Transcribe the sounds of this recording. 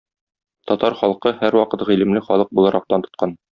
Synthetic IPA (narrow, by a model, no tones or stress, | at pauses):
t̪ɒt̪ɑɾχɒlˠqɤhæɾwɒqɤt̪ʁilɘ̆mlɘχɒlˠɤq̚bulˠɑɾɑq̚t̪ɑnt̪ŏ̥t̪̚qɑn